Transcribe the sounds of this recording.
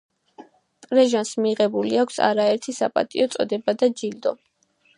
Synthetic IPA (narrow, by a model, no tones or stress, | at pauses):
pʼɾɛʒansmiʁɛbuliakʷʰsa̰ɾaɛɾt̪ʰisapʼa̰t̪ʼḭɔt̪sʼɔ̰d̪ɛbad̪ad͡ʒild̪ɔ